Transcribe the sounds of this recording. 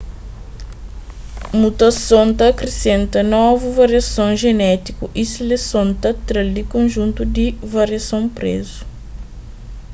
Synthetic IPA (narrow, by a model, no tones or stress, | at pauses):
mut̪ɐsõnt̪ɐːkɾesẽnt̪ɐnɔvuvɐɾiɐsõʒenɛt̪ikuʔiselesõnt̪ɐt̪ɾɐld̪ikõnʒũnt̪ud̪ivɐɾiɐsõw̃pɾḛzu̥